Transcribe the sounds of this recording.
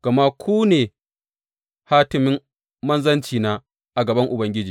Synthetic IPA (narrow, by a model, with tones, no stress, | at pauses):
ɡ̥ɐ˨ma˦kʰʷuː˦neː˨ | haː˦tɪ˨mɪ˦mː | ɐ˦nzɐ˦nt͡ʃiː˨naː˦ | ʔa˨ɡɐ˨bɐ˦ŋʔʊ˨bɐ˦ŋɡʲɪ˦d͡ʒiː˨